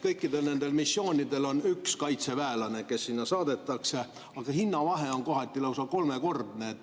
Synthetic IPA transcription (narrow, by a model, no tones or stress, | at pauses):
kɤjkːid̪̥e̞lne̞nd̪e̞lmisːo̞ːnʲid̪̥e̞lo̞nykskɑjt̪se̞væelɑne̞ke̞sːinːɑsɑːd̪e̞t̪ːˑɑkse̞ | ɑɡ̥ɑhinːɑvɑɦe̞o̞ŋko̞ɦɑt̪ʲːilɤwsɑko̞lmeko̞rd̪neːt̪ː